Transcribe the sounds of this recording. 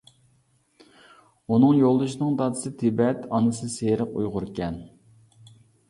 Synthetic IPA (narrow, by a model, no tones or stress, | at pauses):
unɨŋjolˠd̪uʃnɨŋd̪ɑd̪ɨ̥sɨt̪ʰɪbɛt̪ʰɑnɨsɨseɾəqṵjʁʊɾkʲɛn